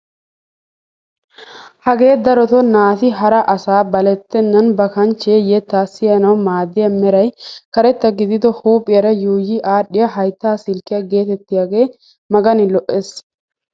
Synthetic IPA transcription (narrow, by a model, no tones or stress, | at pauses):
hɐɡe̞ːd̪ɐɾɔt̪ɔnaːt̪ɪɦɐɾɐʔɐsaːbɐlɛt̪ːɛnːɐnbɐkɐnt͡ʃːeːjɛt̪ːaːsːɪjɐnɐwmaːd̪ɪjɐmɛɾɐjkɐɾɛt̪ːɐɡɪd̪ɪd̪ɔhuːpʼːɪjɐɾɐjuːjiʔaːɗːɪjɐɦɐjt̪ːaːsɪlkɪjɐɡe̞ːt̪ɛt̪ːɪjaɡe̞ː | mɐɡɐnɪlɔʔːeːs